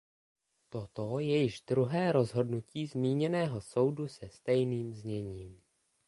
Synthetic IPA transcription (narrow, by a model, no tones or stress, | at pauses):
t̪o̞t̪o̞jɛjɪʒd̪ɾuɦɛːɾo̞zɦo̞dnuciːzmiːɲɛnɛːɦo̞so̞wdusɛst̪ɛjniːmzɲɛɲiːm